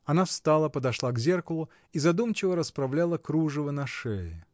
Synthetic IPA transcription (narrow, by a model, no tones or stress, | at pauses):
ɐnafst̪alˠəpəd̪ɐʂlˠaɡzʲerkəlˠʊ | izɐd̪umt͡ɕɪvəɾəspɾɐvlʲalˠəkɾuʐɨvənɐʂɛjɪ